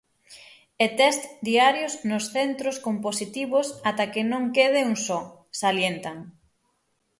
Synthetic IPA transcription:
et̪ɛst̪d̪iaɾjoznʊsθent̪ɾoskomposit̪iβosat̪akɪnõŋkeð̞euŋsɔsaljent̪aŋ

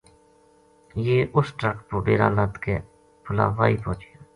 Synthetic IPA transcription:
jeːʔʊsʈɾəkpobeːɾa̰ːlət̪ke | pʰʊla̰ːʋa̰ːiːpõːt͡ʃia

